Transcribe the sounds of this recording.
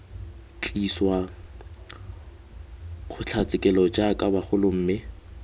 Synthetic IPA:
t͡ɬʼiswa | χʊt͡ɬʰat͡sʼɪkʼɛlɔd͡ʒakʼabaχʊlʊm̩ːmɪ

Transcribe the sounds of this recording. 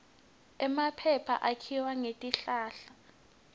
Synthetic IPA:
ɛmapʰɛpʰa̰ʔakʰiwaŋetʼiɬaːɬa

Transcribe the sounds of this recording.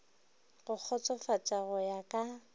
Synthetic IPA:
ɣʊk͡xʰɔt͡sʼɔfat͡sʼaɣɔjakʼa

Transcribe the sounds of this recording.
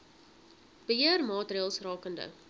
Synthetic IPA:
b̥əɦiərmɑːtriːlˠsrɑːkəndə̰

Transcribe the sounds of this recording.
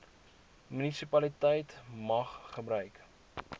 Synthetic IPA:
mynisipɐlitɛjtmɐχχəbɾœɥk

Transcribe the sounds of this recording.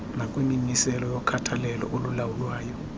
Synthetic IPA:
nakʼwinimisɛlɔjɔkʰatʰalɛlɔ̰ʔolulawulwaːjɔ

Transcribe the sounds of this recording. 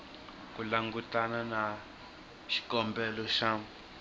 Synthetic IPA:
kulaŋɡut̪anãnã | ʃi̥kɔmbɛloʃã

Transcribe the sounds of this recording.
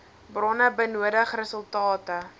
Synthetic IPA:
brɔnəbənuədəχrəsəlˠtɑːtə

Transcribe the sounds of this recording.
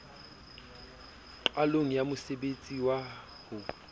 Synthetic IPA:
ǃwaloŋ̩jamʊsebet͡sʼiwa | hʊ

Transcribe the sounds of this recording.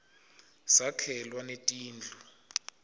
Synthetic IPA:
sakʰɛlwanetʼiːnd͡ɮʱu

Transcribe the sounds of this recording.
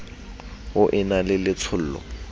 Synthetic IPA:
ʊʔɪnalɪlɪt͡sʰʊl̩ːlɔ̰

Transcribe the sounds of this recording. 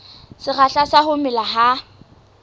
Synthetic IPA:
sɪχaɬasahʊmɪlaɦa

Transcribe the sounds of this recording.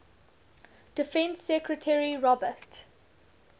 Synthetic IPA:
d̥ɪfɛ̃nsːɛkɹətʰɛɹiɹɔbət

